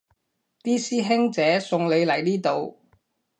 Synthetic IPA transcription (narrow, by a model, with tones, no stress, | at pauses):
t̪iː˥siː˥ɦɪ˥ŋt͡sɛː˨˧˥sʊ˨˧ŋle˨˧jlɐ˨˩jniː˥t̪o˨w